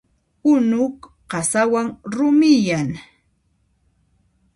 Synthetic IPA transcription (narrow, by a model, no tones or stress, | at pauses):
ʊnʊk | ɢɑsawaŋɾʊmɪjaŋ